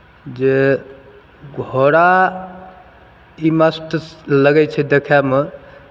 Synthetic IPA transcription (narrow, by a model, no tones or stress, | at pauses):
d͡ʒe | ɡʱoɾa | iməsʈ̪ləɡɛt͡ʃʰɛd̪ekʰame